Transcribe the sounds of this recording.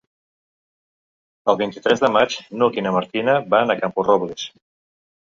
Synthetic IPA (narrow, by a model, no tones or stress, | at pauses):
əlˠβint̪it̪ɾɛzðəmat͡ʃnukinəmaɾt̪inaβanakampurɔβles